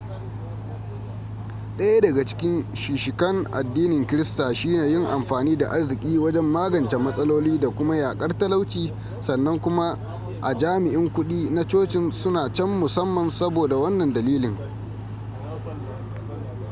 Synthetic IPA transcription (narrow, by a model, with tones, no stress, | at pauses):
ɗɐ˦ja˦dɐ˨ɡa˨t͡ʃɪ̥˦kʲɪ˦nʃiː˨ʃɪ˨kɐ˦ŋʔa̰˨dːiː˦nɪ˨ŋkʲɪ˦ɾɪ˦staː˨ʃi˦neː˨jɪ˦ŋʔa˨mɸaː˨niː˦da̰˨ʔa˦rzɪ˨kʲʼiː˦wɐ˦d͡ʒɛ˦mːaː˦ɡɐ˨nt͡ʃe˨mɐ˦sʼɐ˦loː˦liː˦da˨kʷʊ˦ma˦jaː˨kʼɐ˦rtɐ˦la˦wt͡ʃiː˨ | sɐ˨nːɐ˦ŋkʷʊ˦ma˦ | ʔa̰˨d͡ʒaː˦mɪ˨ʔɪ˦ŋkʷʊ˦ɗiː˦na˦t͡ʃoː˦t͡ʃɪ˨nsʊ˦naː˨t͡ʃɛ˦mːʊ˨sɐ˦mːɐ˨nsɐ˦boː˨da˨wɐ˦nːɐ˨ndɐ˨liː˦lɪ˨ŋ